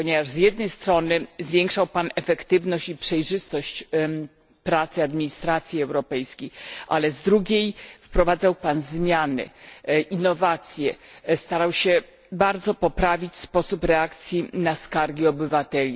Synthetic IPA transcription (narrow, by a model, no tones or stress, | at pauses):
pɔɲevaʐzjɛd̪̚nɛjst̪ɾɔnɘzvʲjɛŋkʂawpanɛfɛkt̪ɘvnɔɕt͡ɕipʂɛjʐɘst̪ɔɕt͡ɕ | pɾat̪sɘad̪mʲiɲist̪ɾat̪sʲjiɛwɾɔpɛjskʲejʔa̰lɛzd̪ɾuɡʲejfpɾɔvad̪zawpanzmʲjanɘ̰ʔinːɔvat̪sʲjɛst̪aɾawɕɛ | baɾd̪zɔpɔpɾavʲit͡ɕspɔsupɾɛakt̪sʲjinaskaɾɡʲiɔbɘvat̪ɛlʲi